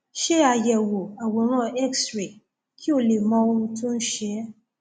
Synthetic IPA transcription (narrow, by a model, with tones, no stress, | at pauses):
ʃe˦a˧jɛ˨wo˨a˨wo˨ɾ̃ã˦ɛ˦ksɾe˨ | ki˦o˦le˨mɔ̃˧o˧ɾũ˧tũ˦n̩˦ʃe˧˦